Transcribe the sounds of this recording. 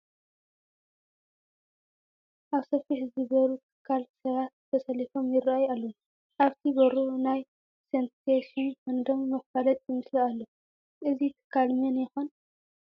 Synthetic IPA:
ʔaβsɐfiħzɨbɐɾut̪ʰɨ̥kʰːalsɐβat̪̚t̪ʰɐsɐlifo̞mjɪɾaajalːo | ʔaβt̪ʰiɡɐɾunaj | senseʃinkɨnd̪omːɐxfalɐt̪ʼjɪmɨslialːo | ʔɨzit̪ʰɨ̥kʰːalmɐnjɪxon

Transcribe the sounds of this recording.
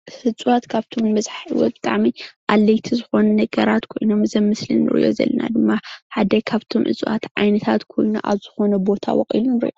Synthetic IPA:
hɨt͡sʼwat̪kʰaβt̪ʰo̞mːɐzħḭwɔ̰t̪̚bɨt̪ʼaʕmiʔalːɐjt̪ʰizɨxo̞nɐnɐɡɐɾat̪kʰo̞̰jnomɨzɐmːɨslɨ̰nːɨ̰ɾḭʔo̞̰zɐ̰lːɐna̰d̪ɨmːaħad̪ɐkʰaβt̪ʰomʔɨ̰t͡sʼuwa̰t̪ʕa̰jnɐt̪ʰat̪kʰo̞̰jnṵʔa̰βzɨxo̞nɐbo̞t̪ʰa̰wɔ̰χʼḭlunɨɾɨ̰ʔo

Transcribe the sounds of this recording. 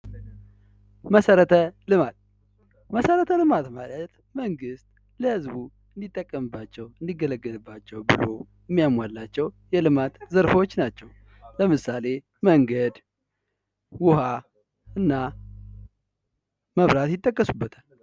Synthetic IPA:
məsəɾət̪ʰəlɨmat̪̚ | məsəɾət̪ʰəlɨmat̪malət̪ | məŋɡɨst̪̚ | ləhɨzbu | ɨnd̪it̪ʼːəkʼːəmɨbːat͡ʃːɛwɨnd̪iɡːələɡːəlɨbːat͡ʃːɛwbɨlo̞̰jɨmːijamwalːat͡ʃːɛwjɛlɨmat̪zəɾfo̞t͡ʃːnat͡ʃːɛw | ləmɨsale̞ | məŋɡəd̪ | wʊha | ɨnːa | məβɾat̪jɪt̪ʼːəkʼːəsubːət̪ʰal

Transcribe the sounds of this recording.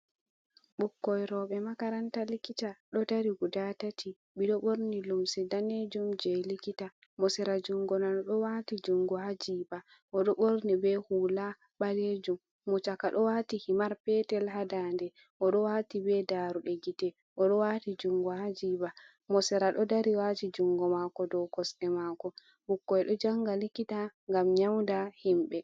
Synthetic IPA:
ɓukːɔjɾɔɓɛmakaɾantalikitaɗɔdaɾiɡudatatʰi | ɓiɗɔɓoɾnilumsɛdaned͡ʒumd͡ʒɛlikita | mɔsɛɾad͡ʒuŋɡɔnanɔɗɔwatid͡ʒuŋɡɔhad͡ʒiːba | ʔɔɗɔɓoɾnibɛhuːla | ɓaled͡ʒumː | ɔt͡ʃakaɗɔwatihimaɾpɛtɛlɦadandɛ | ʔɔɗɔwaːtibɛdaɾuɗɛɡitɛ | ʔɔɗɔwaːtid͡ʒuŋɡɔhad͡ʒiːba | mɔsɛɾaɗɔdaɾiwatid͡ʒuŋɡɔmakɔdɔwkɔsɗɛmakɔ | ɓukːɔjɗɔd͡ʒaŋɡalikːitaŋɡamɲawndahimɓɛ

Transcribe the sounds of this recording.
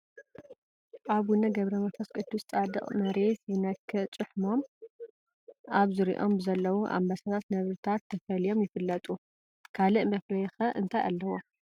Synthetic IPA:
ʔaβwʊnɐɡɐβɾɐmɐfɐskʼɨt̪ːusɨt͡sʼad̪ɨχʼmɐɾe̞sjɨnɐkʰːɨt͡sʼɨħmom | ʔaβzɨɾḭʔo̞̰mbɨzɐlːɐwuʔa̰mbasat̪ʰat̪nɐβɾɨt̪ʰat̪ʰːɐfɐlijo̞mjɪfɨlːɐt̪ʼu | kʰalɨʔmɐflɐjxɐʔɨ̰nt̪ʰaja̰lːɐwo

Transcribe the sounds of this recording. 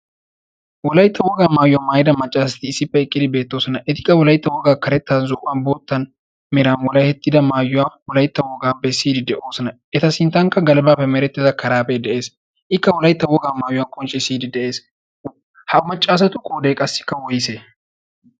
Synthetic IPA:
wɔlɐjɪt̪ːɐwɔɡaːmaːjʊwaːmaːjɪd̪ɐmɐt͡ʃʼːaːsɐ̥t̪ɪɪsːɪpːɛɛkʼːɪd̪ɪbe̞ːt̪ːo̞ːsɔnɐʔɛt̪ɪ̥kʼːɐwɔlɐjt̪ːɐwɔɡaːkɐɾɛt̪ːaːnzʊːʔʼɐnboːt̪ːɐn | mɛɾaːnwɔlɐjhɛt̪ʼːɪd̪ɐmaːjːʊwaːwɔlɐjt̪ːɐwɔɡaːbɛsːiːd̪ɪd̪ɛʔo̞ːsɐnɐ | ɛt̪ɐsɪnt̪ːɐŋkːɐɡɐlɛbaːpːɛmɛɾɛt̪ːɪzɐkɐɾaːpɛd̪ɛʔe̞ːs | ʔɪkːɐwɔlɐjɪt̪ːɐwɔɡaːmaːjʊwaːkʼɔnt͡ʃʼːɪsiːd̪ɪd̪ɛʔe̞ːs | hɐmɐt͡ʃʼːaːs̬ɐt̪ʊkʼoːd̪ɛjkʼɐsːɪ̥kːɐwɔjɪse

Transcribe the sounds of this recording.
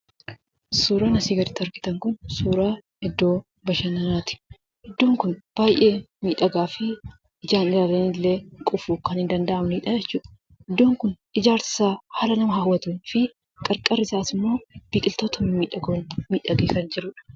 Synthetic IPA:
suːɾaːnɐsiːɡɐɾɪt̪ːɪɐɾkɪ̥t̪ɐŋkʊnsuːɾaː | ɛd̪ːo̞ː | bɐʃɐnːɐnaːt̪ɪ̥ | ʔɛd̪ːo̞ːŋkʊnb̥aːjʔe̞ː | miːᶑɐɡaːfɪ | ɪd͡ʒaːnɪlaːlɐnɪlːe̞ːkʼʊfukɐnhɪnd̪ɐnd̪ɐʔɐmniːᶑɐd͡ʒɛt͡ʃːuːᶑɐ | ɪd̪ːo̞ːŋkʊn | ɪd͡ʒaːɾsɪ̥saːhaːlɐnɐmɐɦɐwːɐt̪unfɪ | kʼɐɾkʼɐrɪsaːsɪmːo̞ːb̥iːkʼɪlt̪o̞ːt̪ɐmɐmiːᶑɐɡoːnmiːᶑɐɡeːsɐnd͡ʒɪɾʊːᶑɐ̥

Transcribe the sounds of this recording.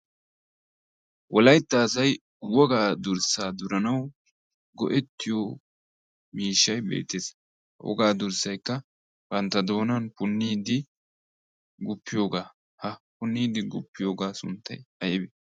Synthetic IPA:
wɔlɐjt̪ːaːsɐj | wɔɡaːd̪ʊɾsaːd̪ʊɾɐnɐw | ɡɔ̰ʔɛt̪ːɪjoː | miːʃːɐjbḛːt̪ːes | hɐwɔ̰ɡaːd̪ʊɾsɐjkːɐ | bɐnt̪ːɐd̪o̞ːnɐnpʊnːiːd̪ɪ | ɡʊpːɪjo̞ːɡaː | hɐpʊnːiːd̪ɪɡʊ̰pːɪjo̞ːɡaːsʊ̰nt̪ːɐjɐjɪbɛ

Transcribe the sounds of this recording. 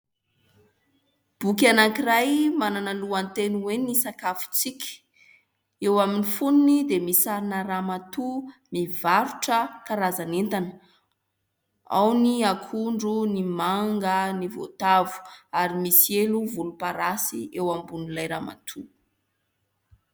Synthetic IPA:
b̥uk̬ʲanaŋkirajmananaluant̪enuwenisakafu̥t͡sikʲə̥ | ewaminifununid̪emisaɾinəramat̪umivaɾuʈ͡ʂəkaɾazanent̪anə̥ | a̰wniakʰuɳɖ͡ʐunimaŋɡənivo̰t̪avu̥aɾimisieluvulupaɾasḭewambunilajɾa̰ma̰t̪ʰu

